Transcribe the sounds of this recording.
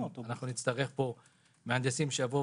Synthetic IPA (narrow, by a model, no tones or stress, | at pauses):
anaχnunit̪t͡st̪aʁe̞χpo̞ | meand̪esimʃejavo